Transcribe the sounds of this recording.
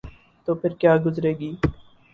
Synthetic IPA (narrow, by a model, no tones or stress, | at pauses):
t̪oːpʰɪɾkjaːɡʊzɾeːɡiː